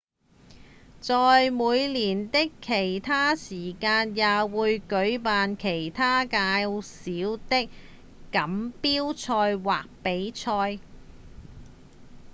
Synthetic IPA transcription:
t͡sɔː˨jmuː˨˧jliː˨˩nt̪ɪ˥kʰːe˨˩jt̪ʰaː˥siː˨˩kaː˧njaː˨wuː˨˧jkɵ˨˥ɥpaː˨nkʰe˨˩jt̪ʰaː˥kaː˧wsiː˨˥wt̪ɪ˥kː | ɐ˨˥mpiː˥wt͡ʃʰɔː˧jwaː˨k̚pe˨˥jt͡ʃʰɔː˧j

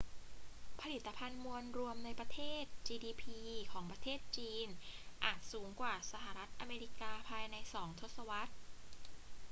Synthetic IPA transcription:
pʰa˧li˨˩t̪ːa˧pʰa˧nmu˧ənɾu˧əmna˧jpɾa˧t̪ʰeː˥˩t̪̚t͡ɕiː˧diː˧pʰiː˧kʰɔː˩˦ŋpɾa˧t̪ʰeː˥˩t̪̚t͡ɕiː˧nʔaː˨˩t̪̚suː˩˦ŋkwaː˨˩sa˧ɦa˨˩ɾa˦˥t̪̚ʔa˧meː˧ɾi˦˥kaː˧pʰaː˧jna˧jsɔː˩˦ŋt̪ʰo˦˥t̪̚sa˧wa˦˥t̪̚

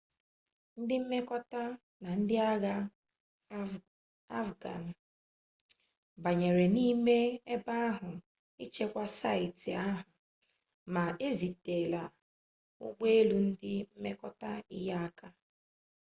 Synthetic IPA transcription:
n̩˦dɪ˦m̩˦me˦kɔ˦ta˦ | na˨n̩˦dɪ˦a˦ɣa˦ | a˦fɡa̰˨n̩˨ | ba˨ɲe˨ɾe˨ni˦me˦e˦ba˦a˦ɦʊ˨ | ɪ˦t͡ʃe˦kʷa˦sa˦ɪ˨tɪ˨a˦ɦʊ˨ | ma˨e˦zi˨te˨la˨ | ʊ̰˦ɡ͡be˦e˦lu˦n̩˦dɪ˦m̩˦me˦kɔ˦ta˦i˦ja˦a˦ka˦

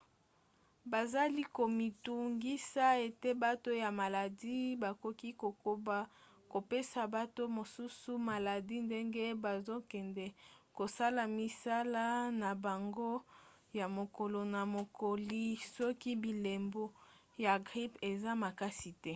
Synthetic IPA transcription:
ba˨za˦li˦ko˨mi˨tu˨ŋɡi˦sa˦e˨te˦ba˦to˦ja˨ma˨la˨di˦ba˨ko˨ki˦ko˨ko˨ba˦ | ko˨pe˦sa˨ba˦to˦mo˨su˦su˦ma˨la˨di˦nde˦ŋɡe˦ba˨zo˦kɛ˨ndɛ˨ko˨sa˦la˨mi˨sa˦la˦na˨ba˨ŋɡo˦ | ja˨mo˨ko˨lo˨na˨mo˨ko˨li˦sɔ˦ki˦bi˨le˨mbo˦ | ja˨ɡʁi˦pe˨za˦ma˨ka˦si˨tɛ˦

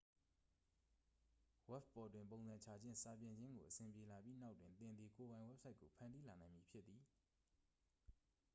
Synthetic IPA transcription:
wɛ˦p̚pɔ˨twɪ̃˨mpõ˨ʊ̃nzã˨ɲt͡ɕʰa˨d͡ʑɪ̰̃˦˨nsa˨pjɪ̃˨ɲd͡ʑɪ̃˦ŋɡo̰˨ʔəsɪ̃˨mpje˨la˨pji˦na˦ʊtːwɪ̃˨nt̪ɪ̃˨nd̪ði˨ko˨bã˨ɪ̃wɛ˦p̚sʰa˦ɪkːo˨pʰã˨ndi˦la˨nã˨ɪ̃mji˨pʰjɪ˦t̪̚ːi˨

